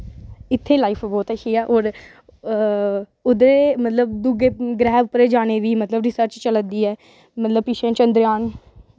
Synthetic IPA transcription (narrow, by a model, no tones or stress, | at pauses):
ɪt̪ʰːeːlaːipʰbɔːt̪əʃiːɛːʔoːɾ | ʊd̪eːmət̪ləb̚d̪uɡeːɡɾɛːʋpəɾeːd͡ʒaːñeːʋiːmət̪ləbɾisəɾt͡ʃt͡ʃələd̪iːɛː | mət̪ləb̚pɪʃẽːt͡ʃənd̪ɾjaːn